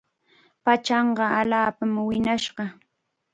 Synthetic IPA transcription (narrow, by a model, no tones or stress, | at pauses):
pat͡ʃɑɴɢɑalaːpamwɪnaʃɢɑ